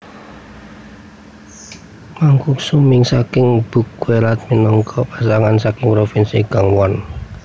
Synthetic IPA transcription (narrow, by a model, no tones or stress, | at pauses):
maŋkuksumɪŋsakɪŋb̥ṳk̚weɾat̪̚minɔŋkʰɔpasaŋansakɪŋpɾofinsiɡ̥aŋwɔn